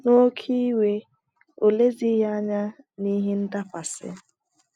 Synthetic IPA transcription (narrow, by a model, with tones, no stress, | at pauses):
no˦kʰi˦we˦ | o˨le˦zi˦ja˦ɲa˦ | ni˦ɦe˦n̩˦da˦kʷa˨sɪ̰˦